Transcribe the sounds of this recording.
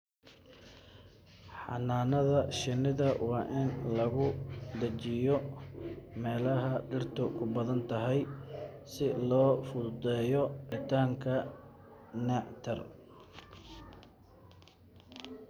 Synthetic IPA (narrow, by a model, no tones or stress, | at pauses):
ħɑ̰naːnɐðɐʃɪnːɪðɐwɑːʔɪnlɐɣʊd̪ɐt͡ʃɪjɔ | mɛːlɐɦɐɖɪrt̪ʰʊkʰʊbɐðɐnt̪ʰɐɦɛjsɪlɔːfʊd̪ɛːjɔʕɪt̪ʰaːŋkʰɐ | nɛʕt̪ʰɐr